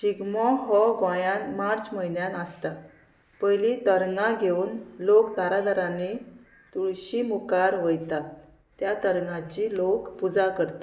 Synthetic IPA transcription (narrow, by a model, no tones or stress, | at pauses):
t͡ɕiɡmɔɦɔɡɔ̃jãnmaɾt͡ɕm̤əinjanəst̪a | pəjlit̪əɾŋãɡʱeuːnlokd̪aɾad̪aɾane | t̪uɭɕimukaɾʋəjt̪a | t̪jat̪əɾŋãt͡ɕilokpud͡zakəɾt̪e̥